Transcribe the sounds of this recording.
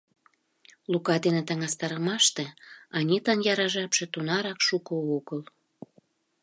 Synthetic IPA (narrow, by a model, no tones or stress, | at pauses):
lukɑd̪enet̪ə̆ŋɑst̪ɑɾəmɑʃt̪eɑnʲit̪ɑnjɑɾɑʒɑpʃĕt̪unɑɾɑkʃukooɣəl